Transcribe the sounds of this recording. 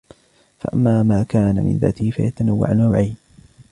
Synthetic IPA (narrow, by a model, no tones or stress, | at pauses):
fa̰ʔamːaːmaːkaːnamɪ̰nða̰ːt̪ɪhɪfa̰jat̪anawːa̰ʕannawʕajn